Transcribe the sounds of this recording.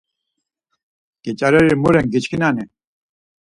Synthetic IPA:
kit͡ɕɐɾɐɾimuɾeŋɡit͡ɕkinaːne

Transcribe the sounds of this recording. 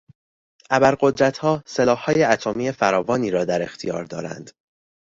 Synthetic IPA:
ʔæbæɾɢo̞d̪ɾæt̪hɒːselɒːhhːɒːje̞æt̪ʰomiːe̞fæɾɒːvɒːniːɾɒːd̪æɾe̞̰xt̪ʰijɒ̰ːɾd̪ɒːɾæ̰nd̪̥

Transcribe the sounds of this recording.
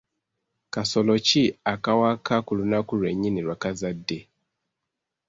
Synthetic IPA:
kasolociakawakakulunakulweɲiniɾwakazadːe

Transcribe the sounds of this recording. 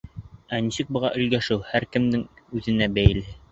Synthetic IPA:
ænisɘk̚bɤ̆ʁɑʔɵ̆lɡæʃɘwhæɾkɘ̆md̪ɘŋʉðɘ̆næbæjlɘ

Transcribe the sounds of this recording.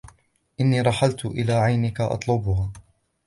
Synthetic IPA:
ʔɪnːiːɾˤɑħalt̪ʊʔɪlaːʕajnɪkaʔɑ̰t̪ˤlʊbʊhaː

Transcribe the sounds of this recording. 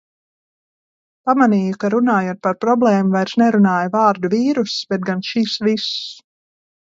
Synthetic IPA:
pamaniːjukaɾunaːjoːt̪̚paɾpɾɔblˠɛːmuvajɾsnɛɾunaːjvaːɾd̪uviːɾusbɛt̪̚ɡanʃisvis

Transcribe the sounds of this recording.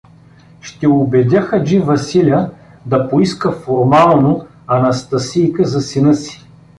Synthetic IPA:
ʃt̪ɛobɛd̪ʲaxɐd͡ʒivɐsilʲə | d̪ɐpoiskəfoɾmalˠno | ɐnɐst̪ɐsijkəzɐsinəsi̥

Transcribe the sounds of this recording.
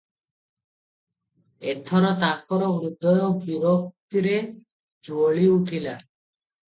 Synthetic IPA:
et̪ʰɔɾɔt̪ak̚kɔɾɔmɾud̪ɔjɔbiɾok̚t̪iɾe | d͡ʒuoɭiuʈʰila

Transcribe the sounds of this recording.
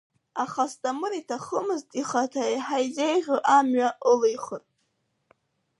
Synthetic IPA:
aχastʼamɨɾitʰaχəmɨztʼiχatʰajħajzejʒʲʷᶣoʔamɥaʔəlejχərʼ

